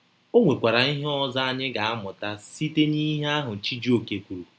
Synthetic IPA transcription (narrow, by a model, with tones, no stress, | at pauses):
o˦ŋʷe˨kʷa˨ɾa˨i˦ɦe˦ɔ˦za˦a˦ɲɪ˦ɡa˨a˦mʊ˨ta˦si˦te˦ni˦ɦe˦a˦ɦʊ˨t͡ʃi˦d͡ʒi˦o˨ke˨kʷu˨ɾu˨